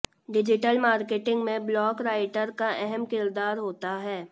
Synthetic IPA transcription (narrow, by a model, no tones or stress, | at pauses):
ɖɪd͡ʒɪʈəlmaːɾkeːʈɪ̃ŋɡmẽblɔːkɾaːɪʈəɾkaɛɦɛmkɪɾd̪aːɾɦoːt̪aɦɛː